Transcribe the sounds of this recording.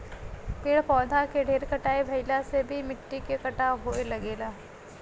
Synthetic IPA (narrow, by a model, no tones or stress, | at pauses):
pɪɽpɔːd̪ʱakeɖʱeːɾkɐʈaːebʱɐɪlasebʱimɪʈːikekɐʈaɦoːelɐɡeːlaː